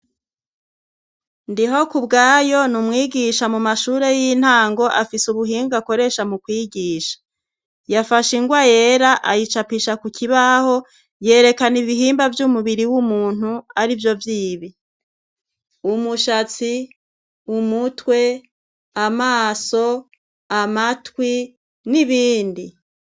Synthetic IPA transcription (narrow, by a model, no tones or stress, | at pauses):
ndiɦo̞kubɡaːjo̞numŋiːɡiʃamumaʃuːɾe̞jin̥haːŋɡo̞ʔafisuβuɦiːŋɡako̞ɾe̞ʃamukwiːɡiːʃḁ | jafaʃiŋɡwajeːɾaʔajit͡ʃapiʃakukiβaho̞ | je̞ːɾe̞kaniβiɦiːmbavjumuβiɾiwumuːn̥huaɾivjo̞vjiːβi | umuʃat͡si | umutwe̞ | amaːso̞ | amatwi | niβiːndi